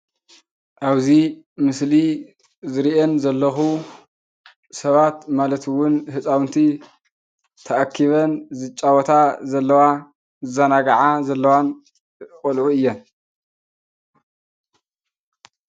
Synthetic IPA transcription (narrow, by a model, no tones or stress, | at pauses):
ʔaβzimɨsli | zɨɾiʔenzɐlːɐxu | sɐβat̪malɐt̪wʊnhɨt͡sʼawnt̪ʰi | t̪ʰɐʔakʰːiβɐnzɨt͡ʃʼawɔt̪ʰazɐlːɐwa | zɨzanaɡaʕazɐlːɐwan | kʼɔlʕuɨjːɐn